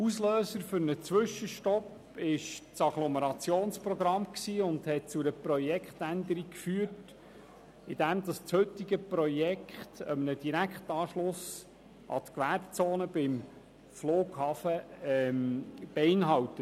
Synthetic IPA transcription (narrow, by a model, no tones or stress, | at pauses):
usløːsəɾfʏɾnət͡sʋʏʃəʃtɔp | ɪʃt͡sɑɡ̥lɔməɾɑt͡sjoːnspɾɔɡɾɑmksiːʊnd̪hɛt̚t͡sʊɾəprɔjɛkʰχt̪ænd̪əɾikfyːət | ɪd̥̪æmd̪ɑst͡shɵt̪ːiɡəpɾɔjɛkχt̪əmənəd̥iɾækχt̪ɑːʃlʊs | ʔɑ̰t̪kʋæɾp̚t͡soːnəb̥ɪm | floːɡ̥hɑːfəmb̥eɪnɦɑwt̪ət